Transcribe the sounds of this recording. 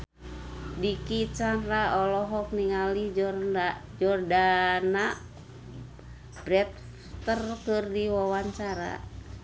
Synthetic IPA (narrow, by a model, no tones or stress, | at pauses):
dikit͡ʃaɾaɔlɔɦɔk̚niŋalid͡ʒɔrad͡ʒɔrdana | b̥ɾɛt̪̚ | t̪ərkɨrdiwawaɲt͡ʃaɾa̰